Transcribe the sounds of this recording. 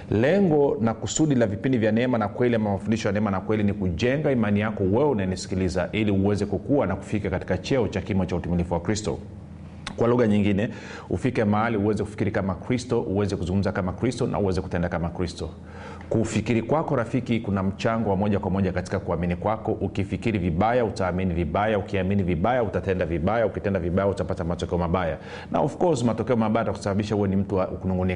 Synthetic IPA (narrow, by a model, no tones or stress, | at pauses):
lɛŋɡɔnakusuɗilavipindivjanɛɛmanakwɛliamamafundiʃɔjanɛɛmanakwɛlinikuʄɛŋɡaimanijakɔwɛɛunanisi̥kilizaʔiliuwɛzɛkukuanaku̥fikakati̥kat͡ʃɛɔt͡ʃakimɔt͡ʃautimilifuwakɾistɔ̰ | kwaluɣaɲiŋɡinɛ | ṵfikɛmaaliuwɛzɛkufi̥kiɾikamakɾistɔʔuwɛzɛkuzuŋɡum̩zakamakɾistɔnʔa̰uwɛzɛku̥tɛndakamakɾistɔ | kufikiɾikwakɔɾafikikunam̩t͡ʃaŋɡɔwamɔʄakwamɔʄakati̥kakuaminikwakɔʔukifikiɾiviɓajautaːminiviɓajaukiaminiviɓajautatɛndaviɓajaukitɛndaviɓajautapatamatɔkɛɔmaɓaja | na̰ɔfkɔsmatɔkɛɔmaɓajaataku̥saɓaɓiʃahuwɛnim̩tuakunuŋɡuni